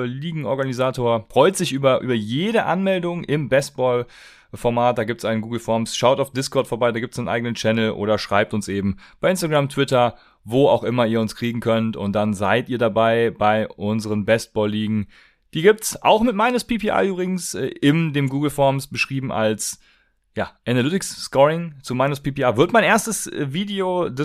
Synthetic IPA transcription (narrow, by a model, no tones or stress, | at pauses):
liːɡŋ̩ɔɐɡanizaːtʰoːɐfʁ̥ɔʏtz̥ɪçʔyːbɐʔy̰ːbɐjeːɾəʔa̰nmɛldʊŋʔɪmbɛst̚b̥ɔːl | fɔɐmaːt̚d̥aːɡiːp̚tsʔaɪnənɡuːɡl̩fɔɐmsʃaʊtaʊfd̥ɪskʰɔɐtfoɐbaɪdaɡiːptsaɪnʔa̰ɪɡənənt͡ʃɛnl̩ʔo̰ːɾɐʃʁ̥aɪp̚tʊnsʔeːbm̩b̥aɪʔɪnstaɡʁamtʰv̥ɪtɐ | voːa̰ʊxʔɪmɐiːɐʊnskʁ̥iːɡŋ̩kʰœntʊ̰nt̚d̥anzaɪtʔiːɐɾabaɪbaɪʔʊnzəʁənbɛst̚b̥ɔːlːiːɡŋ̩ | d̥iːɡiːp̚tsʔa̰ʊxmɪtmaɪnʊspipʰeʔa̰ːʔyːbʁɪɡŋ̩sɛʔɪndeːmɡuːɡl̩fɔɐmsb̥əʃʁ̥iːbm̩ʔa̰ls | jaːʔɛnalʏtɪksːkɔʁɪŋt͡sumaɪnʊspiːpiaːvɪɐtmaɪnʔeːɐstəsviːdeodɛ